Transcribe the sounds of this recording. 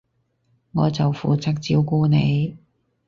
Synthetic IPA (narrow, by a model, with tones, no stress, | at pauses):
ŋɔː˨˧t͡sɐ˨wfuː˨t͡sɐ˥k̚t͡si˥wkuː˥ne˨˧j